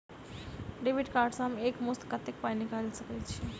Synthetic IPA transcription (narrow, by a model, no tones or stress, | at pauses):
ɖebiʈkaːɾɖsɦɐmeːkmost̪kɐt̪ːek̚panikaɾilsɐket͡ʃʰi